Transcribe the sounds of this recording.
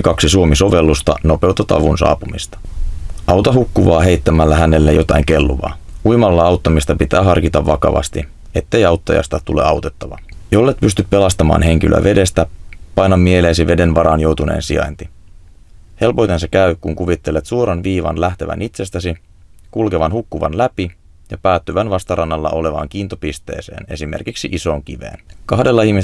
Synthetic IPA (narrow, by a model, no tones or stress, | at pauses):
kɑksisuo̞miso̞ʋe̞lːust̪ɑno̞pe̞wt̪ːɑt̪ɑ̰ʋunsɑ̰ːpumist̪ɑ̥ɑwt̪ɑɦukːuʋɑːɦe̞jt̪ːæmælːæhæne̞lːejo̞t̪ɑiŋke̞lːuʋɑ̰ːujmɑlːɑɑwt̪ːɑmist̪ɑpit̪æːɦɑrkit̪ɑʋːɑkɑ̰ʋɑ̰st̪i | e̞t̪ːe̞jɑwt̪ːɑjɑ̰st̪ɑt̪ule̞̰ːɑwt̪e̞t̪ːɑʋɑ̰jo̞lːet̪̚pyst̪yp̚pe̞lɑst̪ɑmɑ̰ːnɦe̞ŋk̟ilʔø̰ʋʔe̞de̞st̪æpɑjnːɑmːie̞leːsiʋe̞de̞nʋɑɾɑnjo̞wt̪une̞̰ːnsiɑ̰jnt̪i | he̞lpo̞jt̪e̞nsɑkæykuŋkuʋit̪ːelːet̪suoɾɑnʋiːʋɑ̰nlæht̪e̞ʋæ̰nit̪se̞st̪æsi | kulkeʋɑnhukːuʋɑ̰nlæpi | jɑpæːt̪ːyʋænʋɑst̪ɑɾʔɑnːɑlːɑ̰ʔo̞le̞ʋɑ̰ːŋk̟iːnt̪opist̪e̞̰ːse̞̰ːne̞̰simerkiksiʔiso̞ːŋk̟iʋe̞̰ːnkɑhde̞lːɑihmis